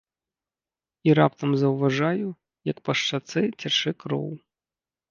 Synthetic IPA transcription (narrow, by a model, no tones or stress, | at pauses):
iɾa̰p̚t̪ɐmzɐwvaʐaju | jɐkpɐʂt͡ʂat̪sɨt͡sʲaʂɨkɾɔ̰w